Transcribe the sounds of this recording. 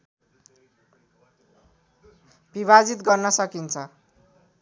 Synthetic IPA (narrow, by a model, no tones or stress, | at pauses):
biβad͡zit̪ɡʌrnʌsʌkint͡sʰʌ